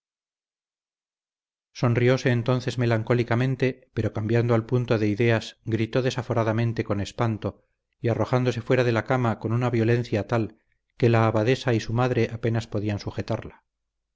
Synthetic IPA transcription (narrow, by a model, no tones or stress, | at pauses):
so̞nrio̞se̞ːnt̪o̞nθe̞zme̞laŋko̞likamẽ̞nt̪e̞pe̞ɾo̞kambjand̪oalpunt̪o̞ðe̞iðe̞asɡɾit̪o̞ðe̞safo̞ɾaðamẽ̞nt̪e̞ko̞ne̞spant̪o̞ | iaro̞xand̪o̞se̞fwe̞ɾaðelakamako̞nunaβjo̞lẽ̞nθjat̪al | ke̞laːβaðe̞saisumaðɾe̞ʔape̞naspo̞ðiansuxe̞t̪aɾla